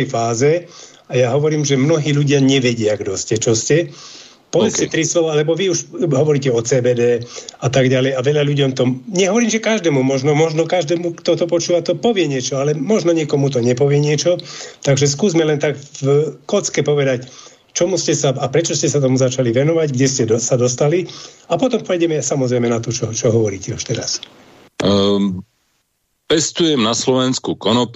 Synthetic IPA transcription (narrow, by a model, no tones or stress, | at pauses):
ɛjfaːzɛ | ajaɦɔʋɔɾiːmʒɛmnɔɦiːʎuɟɪaɲɛʋɛɟɪaɡd̪ɔscɛt͡ʃɔscɛ | pɔʋɛt͡scɛt̪ɾislɔʋɔalɛbɔʋiuʃɦɔʋɔɾiːcɛɔt͡sɛːbɛːd̪ɛːat̪aɡɟalɛjaʋɛʎaʎuɟɔmt̪ɔɲɛɦɔʋɔɾiːmʒɛkaʒd̪ɛːmumɔʒnɔmɔʒnɔkaʒd̪ɛːmukt̪ɔt̪ɔpɔt͡ʃuːʋat̪ɔpɔʋɪɛɲɪɛt͡ʃɔalɛmɔʒnɔɲɪɛkɔmut̪̬ɔɲɛpɔʋɪɛɲɪɛt͡ʃɔt̪aɡʒɛskuːzmɛlɛnt̪aɡvkɔt͡skɛpɔʋɛd̪ac | t͡ʃɔmuscɛsaapɾɛt͡ʃɔscɛsat̪ɔmuzat͡ʃaliʋɛnɔʋaɟɡɟɛscɛsad̪ɔst̪aliapɔt̪ɔmpɛjɟɛmɛsamɔzɾɛɪmɛnat̪ɔt͡ʃɔt͡ʃɔɦɔʋɔɾiːcɛuʃt̪ɛɾas | pɛst̪ujɛmnaslɔʋɛnskukɔnɔp